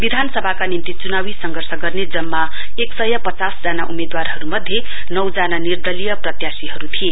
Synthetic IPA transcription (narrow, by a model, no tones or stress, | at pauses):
bid̪ʱansʌbʱakanimt̪it͡sunawisʌŋɡʱʌrsʌɡʌrned͡zʌmːa | eksʌjʌpʌt͡sasd͡zanaʔumed̪warɦʌɾumʌd̪ʱːje | nʌwd͡zananird̪ʌlijʌprʌt̪jasiɦʌɾut̪ʰije